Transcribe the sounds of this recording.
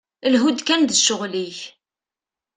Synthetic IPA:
lɦud̪kænd̪əʃʊʁliç

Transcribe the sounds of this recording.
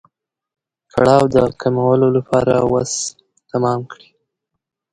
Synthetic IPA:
kʰaɽɑwd̪əkʰamawəlolapʰɑɾawas | t̪amɑmkɽi

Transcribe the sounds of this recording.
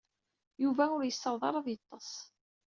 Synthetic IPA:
juvæʊɾjəsːəɾˤðˤɑ̰ɾˤɑðjət̪ˤːɑsˤ

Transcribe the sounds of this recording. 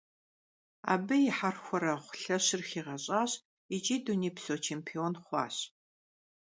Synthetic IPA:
a̰ːbɨjɪħarxʷɔɾɐχʷʊ̥ɬɐɕɪrxiːʁɐɕʼaːɕ | ɪt͡ʃʼiːduniːpsoːt͡ʃʰeːmpʰionχʷɑ̰ːɕ

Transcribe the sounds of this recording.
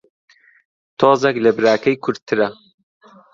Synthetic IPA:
t̪ʰoːzeklɐbɨɾaːkʰɐjkʰʊɾ̚t̪ʰɨɾɐ

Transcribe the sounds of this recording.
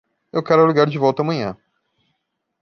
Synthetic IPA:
ewkɛɾʊɛluɡaɾd͡ʒɪvɔwt̪ɐaːmɐ̃ɲɐ̰̃

